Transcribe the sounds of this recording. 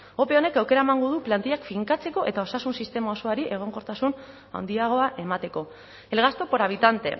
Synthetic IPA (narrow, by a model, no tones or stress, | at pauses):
o̞pe̞o̞ne̞kawke̞ɾaemaŋɡo̞ð̞uplant̪iʎakfiŋkat͡se̞ko̞ʔe̞t̪ao̞sasunsist̪e̞mao̞so̞aɾiʔe̞ɣ̞o̞ŋko̞ɾt̪asun | a̰wnd̪iaɣ̞o̞aʔe̞mat̪e̞ko̞ | e̞lɣast̪o̞po̞ɾaβ̞it̪ant̪e̞̰